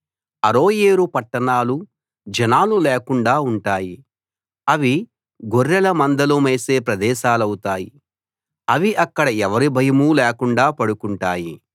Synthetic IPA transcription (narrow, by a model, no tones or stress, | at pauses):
ɐɾo̞ːjeːɾupɐʈːɐɳaːlu | d͡ʒɐnaːluleːkuɳɖaːuɳʈaːji | ɐʋi | ɡoɾːɐlɐmɐnd̪ɐlomeːse̞ːpɾɐd̪ɛːʃaːlɐwut̪aːji | ɐʋiʔɐkːɐɽɐɛʋɐɾibʱɐjɐmuːlɛːkuɳɖaːpɐɽukuɳʈaːjḭ